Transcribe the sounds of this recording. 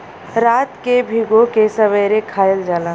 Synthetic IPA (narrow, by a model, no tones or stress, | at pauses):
ɾat̪kebʱiɡokesəβəjɾekʰaeld͡ʒaːla